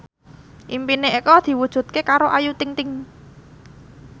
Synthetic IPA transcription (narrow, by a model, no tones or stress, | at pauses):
ʔimpineekɔd̪̥i̤wud̥ʒ̥ṳt̪̚kekaɾoʔajut̪ɪŋt̪ɪŋ